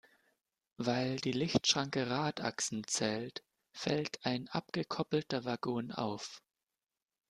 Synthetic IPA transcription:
vaɪldiːlɪçtʃʁ̥aŋkəʁaːta̰ksn̩t͡sɛːlt | fɛ̰ltʰaɪnʔa̰pɡ̥əkʰɔpl̩tɐvaɡoːna̰ʊf

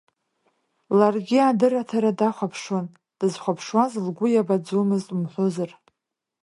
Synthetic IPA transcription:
larɡʲiadɨratʰaɾadaχʷapʰʂon | d̥ɨzχʷapʰʂwazlɡʷʊjabad͡zumɨztʼumħʷʊzar

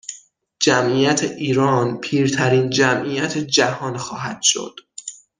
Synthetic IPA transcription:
d͡ʒæmʔijæt̪ʰeʔiːɾɒːnpʰiːɾt̪ʰæɾiːnd͡ʒæmʔijæt̪ʰed͡ʒæhɒːnxɒːɦæd̪̥ʃo̞̰d̪̥

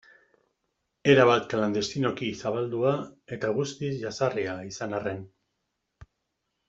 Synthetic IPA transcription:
e̞ɾaβat̪kland̪e̞st̪ino̞kisaβald̪uae̞t̪aɣust̪isʝasariaisanare̞n

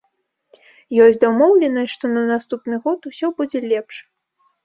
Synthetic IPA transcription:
jɔsʲd͡zʲd̪ɐwmɔwlʲɛnɐjʂt̪ɔnɐnast̪upnɨɣɔt̪usʲɔbud͡zʲɛlʲɛpʂ

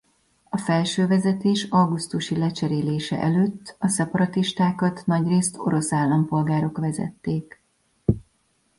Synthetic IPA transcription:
ɒfɛlʃøːvɛzɛt̪eːʃɒɡust̪uʃilɛt͡ʃɛɾeːleːʃɛ̰ʔɛløːt̪ːɒsɛpɒɾɒt̪iʃt̪aːkɒt̪nɒɟreːst̪ʰo̞̰ɾo̞saːlːɒmpo̞lɡaːɾo̞kʋɛzɛ̰t̪ːeːk

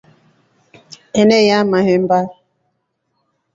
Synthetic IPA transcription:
enejamaɦem̩ba

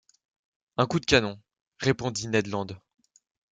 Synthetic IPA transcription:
ɛ̃kud̪əkʲanɔ̃ | ʁepɔ̃d̪inɛd̪lɑ̃d̪

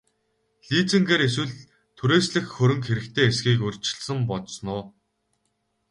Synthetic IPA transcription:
ɮiːt͡sɘ̆ŋɡeːɾes̬wɘ̆ɮ | t̪ʰuɾeːsɮɘ̆xxɵɾɵ̆ŋkxeɾɘ̆kt̪ʰeːesɡiːkɵr̥ʲt͡ɕɪ̥̆ɮsə̆mpɔt̪snʊː

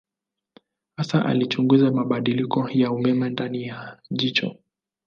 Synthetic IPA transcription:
hasaʔa̰lit͡ʃuŋɡuzamaɓaɗilikɔjaumɛmɛndanijaʄit͡ʃɔ̰

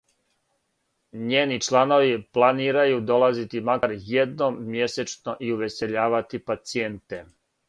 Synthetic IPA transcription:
ɲeːnit͡ʃlˠano̞ʋiplˠaniːɾajud̪o̞lˠazit̪imakaɾjed̪nomːje̞set͡ʃno̞ʔiuʋe̞se̞ʎaːʋat̪ipat̪sient̪e

